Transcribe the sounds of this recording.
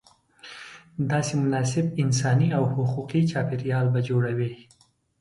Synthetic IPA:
d̪ɑsemʊnɑsɪbɪnsɑniawhʊquqit͡ʃɑpeɾjɑlbad͡ʒoɽawi

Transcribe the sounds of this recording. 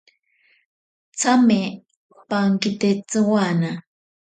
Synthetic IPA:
t͡samɪ | paŋkɪt̪et͡sɪwana

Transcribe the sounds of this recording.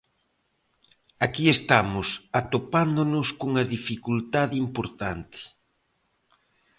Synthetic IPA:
akiest̪amʊsat̪opand̪onʊskuŋɐðifikult̪aðimpoɾt̪ant̪ɪ̥

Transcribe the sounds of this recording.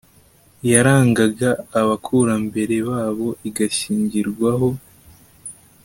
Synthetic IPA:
jaɾaːŋɡaɡaːβakʰuɾambe̞ɾe̞βaːβo̞iɡaʃiːɲɟiɾɡwaɦo̞

